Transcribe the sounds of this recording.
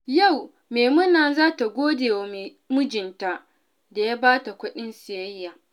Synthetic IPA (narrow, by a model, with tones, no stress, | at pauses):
ja˦˨w | meː˨mʊ˦naː˨zaː˦ta˨ɡʷoː˦deː˨wa˨me˨ | mʊ˦d͡ʒɪ˨nta˦ʔ | da˨ja˦baː˦ta˨kʷʊ˦ɗɪ˦nsɪ˨jɐ˦jːaː˨